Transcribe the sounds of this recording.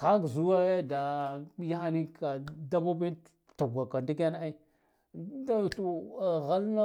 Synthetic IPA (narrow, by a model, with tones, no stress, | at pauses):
xa˦kzu˦wa˦e˦da˨˦ja˦xa˦ni˦ka˨da˦ba˦bi˦ | tu˨ɡʷa˨ka˨ndi˦k̬a˦n˦a˦i˦ | da˦˨ɬu˦˨ɣa˦lna˦